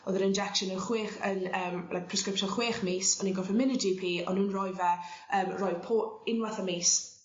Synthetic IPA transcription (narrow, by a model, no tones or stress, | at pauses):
ɔðəɾənd͡ʒɛkʃənənχweːχənəːmlajk̚pʰr̥ɛskɾɪpʃɔχweːχmiːsɔninɡɔfəmɪnədipʰiːɔ̰nuːnrɔjvaəːmrɔjpʰoːɪnwaθameːs